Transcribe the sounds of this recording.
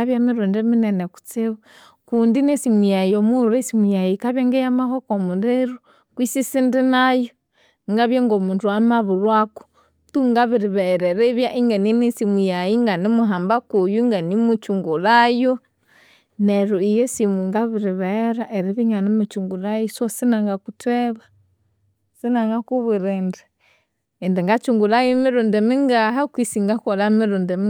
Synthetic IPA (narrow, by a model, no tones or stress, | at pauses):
aβjamiɾundɛminɛnɛku̥t͡siβa | kundinesimujajiomuɾesimujajikaβjaŋɡejamahɔkomuɾeɾu | kwisisindinajo | ŋɡaβjaŋɡomuntuamaβuɾwaku̥ | tuŋɡaβiɾiβɛɾɛɾeβjaʔiŋɡaninisimujajiŋɡanimuɦambakujuŋɡanimut͡ʃuŋɡulajɔ | nɛɾuijɔsimuŋɡaβiɾiβɛɾaʔɛɾiβiŋanimut͡ʃuŋɡulajisɔsinaŋɡakutwɛβa | sinaŋɡakuβiɾɛndɛː | ndɛŋɡat͡ʃuŋɡulajɔmiɾɔndɛmiŋɡaɦakwisiŋɡakɔlamiɾɔndɛm